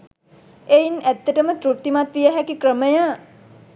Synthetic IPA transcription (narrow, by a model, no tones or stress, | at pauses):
ejnæt̪ːəʈəmət̪ɾut̪ːimat̪ʋijəɦɛkikɾəməja